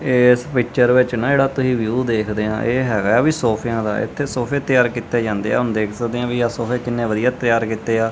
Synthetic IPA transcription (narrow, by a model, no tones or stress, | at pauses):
ɪːspɪkt͡ʃəɾʋɪt͡ʃnãːd͡ʒeːɽaːt̪ʊsĩːʋjuːd̪eːkʰd̪eːã̰ːʔeːɦɛːɡaːʋiːsoːpʰɪjãːd̪a̰ːʔɪ̰t̪ʰːeːsoːpʰeːt̪ɪjaːɾkiːt̪eːd͡ʒãːnd̪eːɛ̰ːʊnd̪eːkʰsəkd̪eːãːʋiaːsoːpʰeːkɪnːẽːʋəd̪ijaːt̪ɪjaːɾkiːt̪eːaː